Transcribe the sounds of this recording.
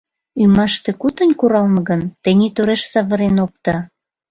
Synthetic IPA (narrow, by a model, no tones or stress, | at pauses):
ymɑʃt̪ekut̪ənʲkuɾɑlmɤ̆ɣənt̪enʲit̪oɾeʃsɑβə̆ɾenop̚t̪ɑ